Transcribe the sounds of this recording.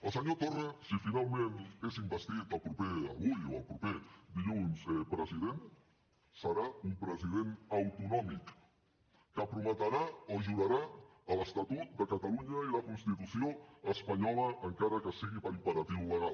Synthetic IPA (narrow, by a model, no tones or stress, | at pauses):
əlˠsəɲot̪oresifinalˠmẽnezimbəst̪it̪əlˠpɾupeə̰βujoə̰lˠpɾuped̪iʎunzpɾəziðen | səɾaumpɾəziðenawt̪unɔmikː | əpɾumət̪aɾaoʒuðaɾaələst̪at̪ut̪̚d̪əkat̪aluɲailakunst̪it̪usioəspaɲɔləʔːŋkaɾəkəsiɣ̞iβaipəɾat̪iwləɣ̞al